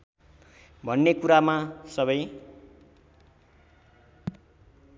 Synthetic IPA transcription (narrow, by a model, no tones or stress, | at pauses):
bʱʌnːekuɾamasʌbʌj